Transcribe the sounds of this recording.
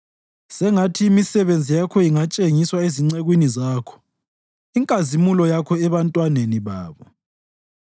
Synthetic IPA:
sɛŋatʰiːmisɛβend͡zʱijakʰɔjiŋat͡ʃʼeŋiswaeziŋ͡ǀeɣwinizaːkʰɔ̥ | iŋkʼazimulɔjakʰɔɛβantʼwaneniβaːβɔ

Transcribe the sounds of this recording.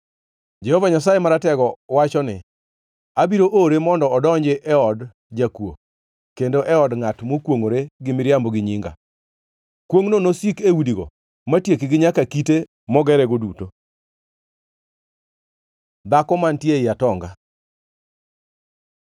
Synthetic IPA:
d͡ʒɛhɔvaɲasajemaɾatɛɡɔwat͡ʃɔnɪ̰ | abiɾoʔoɾemɔndɔɔdɔɲd͡ʒɪʔɛɔd | d͡ʒakwo̰ | kendoʔɛɔdŋatmokwoŋoɾeɡɪmɪɾjambɔɡɪɲiŋɡa̰ | kwoŋnonosikewudiɡo̰ | matjekɪɡɪɲakakite | mɔɡɛɾɛɡoduto | d̪akɔmantjeɪjatɔŋɡa

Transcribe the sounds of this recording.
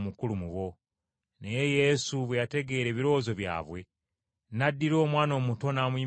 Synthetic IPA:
mukulumuwo̞ | neje̞je̞suβwe̞jate̞ɡe̞ːɾe̞ːβiɾo̞ːzo̞βja̰ːβwe̞ | nadːiɾo̞ːmwaːno̞ːmuto̞naːmwi

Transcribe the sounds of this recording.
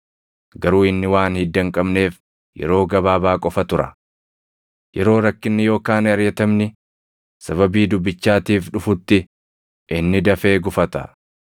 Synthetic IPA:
ɡɐɾuːɪnːɪwaːnhɪd̪ːɐŋkʼɐbne̞ːf | jɛ̰ɾo̞ːɡɐβaːbaːkʼɔfɐt̪ʊɾɐ̰ | jɛɾo̞ːɾɐkːɪnːɪjo̞ːkaːnɐɾjɐt̪ɐmnɪ | sɐβɐbiːd̪ʊbːɪt͡ʃːaːt̪iːfᶑʊfʊt̪ːɪ | ʔɪnːɪd̪ɐfe̞ːɡʊfɐt̪ɐ̰

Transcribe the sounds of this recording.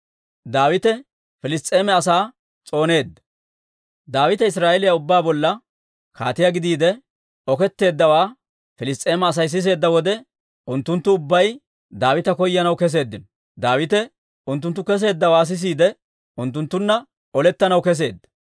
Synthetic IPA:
d̪aːwɪt̪ɛ | fɪlɪst̪ʼːe̞ːmɛɐsaː | t͡sʼo̞ːne̞ːd̪ːɐ̥ | d̪aːwɪt̪ɛɪsɾaːʔɛlɪjaʊbːaːbɔlːɐ | kʰaːt̪ɪjaɡɪd̪iːd̪ɛ | ɔkɛt̪ːe̞ːd̪ːɐwaː | fɪlɪst̪ʼe̞ːmɛːs̬ɐjs̬ɪs̬e̞ːd̪ːɐwɔd̪ɛ | ʊnt̪ːʊnt̪ːʊʊbːɐj | d̪aːwɪt̪ɐkɔjːɐnɐwkɛs̬e̞ːd̪ːɪnɔ | d̪aːwɪt̪ɛ | ʊnt̪ːʊnt̪ːʊkɛs̬e̞ːd̪ːɐwaːs̬ɪs̬iːd̪ɛ | ʊnt̪̬ːʊnt̪ːʊnːɐ | ɔlɛt̪ːɐnɐwkɛs̬e̞ːd̪ːɐ̥

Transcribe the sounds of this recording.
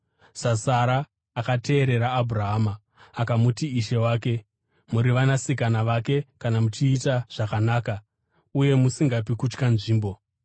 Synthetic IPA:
sasaɾaː | kate̞ːɾe̞ɾaːbʱuraɦaːmaː | kamutiiʃe̞waːke̞ | muɾiʋanasikanaʋake̞kanamut͡ʃiːtaʐ̥akanaːka | uje̞musiŋɡap̬ikut͡ʃkanʐiːmbo̞

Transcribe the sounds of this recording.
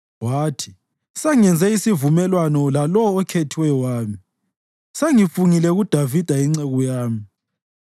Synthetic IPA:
waːtʰi̥ | saŋɛnd͡zʱɛisivumɛlwanɔlalɔːkʰetʰiwɛjɔwaːmi | seŋifuŋilɛɣud̥ʱavid̥ʱaiŋ͡ǀɛɣɔjaːmi

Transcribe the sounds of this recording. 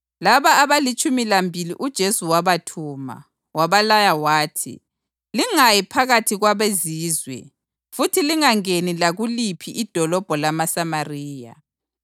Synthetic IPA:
laβaːβalit͡ʃʼumilambʱilḭʔud̥ʒ̥ʱesuwaβatʰuːma̰ | waβalajawaːtʰḭ | liŋajipʰaɣatʰiɣwaβeziːzwɛ̰ | futʰiliŋaŋenilaɣulipʰiʔid̥ʱɔlɔb̥ʱɔlamasamariːja̰

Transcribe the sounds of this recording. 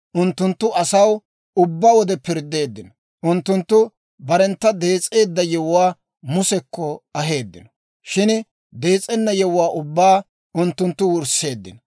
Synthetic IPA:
ʔʊnt̪ːʊnt̪ːʊɐsɐw | ʊbːaːwɔd̪ɛpɪɾd̪ːe̞ːd̪ːɪnɔ | ʔʊnt̪ːʊnt̪ːʊ | bɐɾɛnt̪ːɐd̪e̞ːt͡sʼːe̞ːd̪ːɐjɛwʊwaː | mʊsɛkːɔɐɦe̞ːd̪ːɪnɔ̥ | ʃɪn | d̪e̞ːt͡sʼɛnːɐjɛwwaːʔʊbːaː | ʊnt̪ːʊnt̪ːʊwʊɾse̞ːd̪ːɪ̰n

